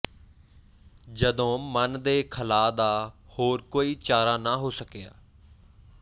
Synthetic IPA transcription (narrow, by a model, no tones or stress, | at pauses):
d͡ʒəd̪õːmənd̪eːkʰəlaːd̪aːhoːɾkoːiːt͡ʃaːɾaːnaːɦoːsəkeja̰ː